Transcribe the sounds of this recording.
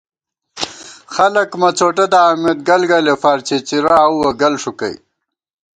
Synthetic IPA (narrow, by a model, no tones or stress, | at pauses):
xɐlɐkmɐt͡soʈad̪aːmet̪̚ɡɐlɡalefaːɾt͡ɕʰet͡ɕiɾaːwwɐɡɐlʂukɐ̰j